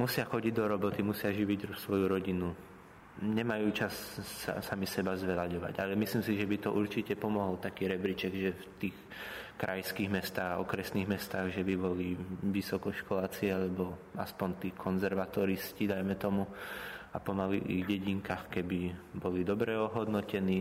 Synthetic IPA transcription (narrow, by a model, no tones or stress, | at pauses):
musɪaxɔɟiɟd̪ɔɾɔbɔt̪imusɪaʒiʋiɟsʋɔjuɾɔɟinu | ɲɛmajuːt͡ʃasa̰samisɛbazʋɛlaɟɔʋa̰ɟalɛmislimsiʒɛbit̪ɔʔuɾt͡ʃicɛpɔmɔɦɔlt̪akiːɾɛbɾit͡ʃɛɡʒɛft̪iːx | kɾʔa̰jskiːɣmɛst̪aːɣaɔkɾɛsniːɣmɛst̪aːɣʒɛbibɔliʋisɔkɔʃkɔlaːt͡siɛalɛbɔa̰spɔnt̪iːkʰɔnzɛɾʋat̪ɔɾiscid̪ajmɛt̪ɔmuapɔmalḭḭɣɟɛɟiŋkaxkɛbibɔlid̪ɔbɾɛɔɦɔd̪nɔcɛniː